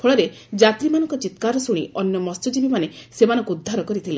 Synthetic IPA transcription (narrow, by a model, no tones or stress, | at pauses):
pʰɔɭɔɾe | d͡ʒat̪ɾimanɔ̃ŋkɔt͡ʃit̪kaɾɔsuɽ̃ḭɔnjɔmɔstɔd͡ʒibimanesemanɔ̃ŋkuud̪ʱːaɾɔkɔɾit̪ʰile